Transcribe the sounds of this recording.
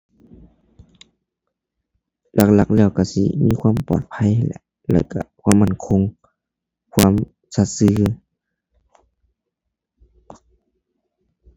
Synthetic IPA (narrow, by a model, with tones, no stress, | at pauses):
lʔa˧˩k̚la˧˩k̚lɛː˧˩˨wka˧˩sḭ˧˦miː˧˥˨kʰwaː˧˥˨mpɔ̰ː˨˩t̪̚pʰa˧˥˨jhlɛ̰˧˩ | lɛ̰ː˧˩wka̰˧˩kʰwaː˧˥˨mːa˧˥˨nkʰo˧˥ŋ | kʰwaː˧˥˨m | sa˧˩t̪̚sɯː˧˦